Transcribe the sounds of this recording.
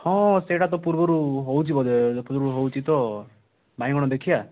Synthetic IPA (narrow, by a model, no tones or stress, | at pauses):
hɔ̃seʈat̪ɔpuɾbɔɾuɦowt͡ʃʰibɔd̪puɾɔɾuɦowt͡ʃʰit̪ɔ | baĩɡɔɽ̃ɔd̪ekʰija